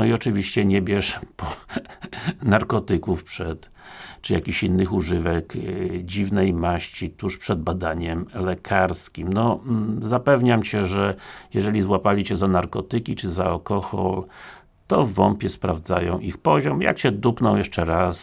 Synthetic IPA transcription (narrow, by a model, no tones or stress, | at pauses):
nɔiɔt͡ʂɘvʲiɕt͡ɕɛɲɛbʲjɛʂpɔ | naɾkɔt̪ɘkufpʂɛt̪ | t͡ʂɨjakʲiɕinːɘxuʐɘvɛkd͡ʑivnɛjmaɕt͡ɕit̪uʂpʂɛd̪̚bad̪aɲɛmlɛkʰaɾskʲimnɔzapɛvɲamt͡ɕɛʐɛjɛʐɛlʲizwapalʲit͡ɕɛzanaɾkɔt̪ɘkʲit͡ʂɘzaalkɔxɔ̰l | t̪ɔvvɔmpʲjɛspɾavd̪zajɔ̃w̃ʔixpɔʑɔmja̰kɕɛd̪upnɔ̃w̃jɛʂt͡ʂɛɾas